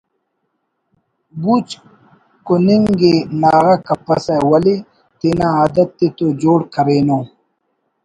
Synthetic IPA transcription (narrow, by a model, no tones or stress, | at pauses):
but͡ʃ | koniŋɡenaːɣɐkɐpɐsawɐli | t̪enãaːd̪ɐt̪ːet̪od͡ʑoːɽkɐɾeːnoː